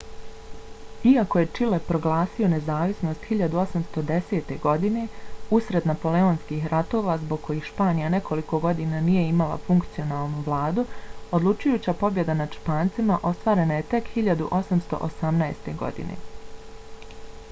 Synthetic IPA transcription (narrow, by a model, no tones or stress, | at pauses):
iako̞je̞t͡ʃile̞pɾo̞ɡlˠaːsio̞ne̞zaːʋisno̞st̪hiʎad̪uo̞samst̪o̞d̪e̞seːt̪e̞ɡo̞d̪ine̞usɾe̞d̪napo̞leoːnskiːxɾʔat̪o̞ːʋazbo̞ɡ̚kːo̞jiːxʃpaːnijane̞kʰo̞liko̞ɡo̞d̪iːnanije̞imalˠa̰fuŋkt̪sijo̞naːlˠnuʋlˠaːd̪uod̪lut͡ʃujuːt͡ɕapo̞bje̞d̪anaʃpaːnt̪simaʔo̞st̪ʋaːɾe̞naje̞t̪e̞khiʎad̪uʔo̞samst̪o̞̰ʔosamnaest̪e̞ɡo̞̰d̪ḭnḛ